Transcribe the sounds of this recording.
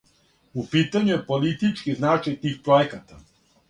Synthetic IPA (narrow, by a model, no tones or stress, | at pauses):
upiːt̪aɲujepolit̪it͡ʃkiznaːt͡ʃajt̪iːxpɾoekat̪a